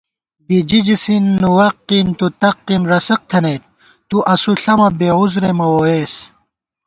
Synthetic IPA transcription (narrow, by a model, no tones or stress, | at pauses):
bid͡ʑid͡ʑisinːuwɐqːint̪ut̪ɐqːinɾɐsɐq̚t̪ʰɐnet̪̚ | t̪uʔɐsuɬɐmɐbeːuzɾemɐwoeːs